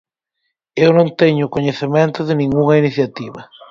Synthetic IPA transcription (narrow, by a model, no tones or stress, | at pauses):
ewnõŋt̪eɲʊkoɲeθemẽnt̪ʊðɪnĩŋɡuŋɐiniθjat̪iβɐ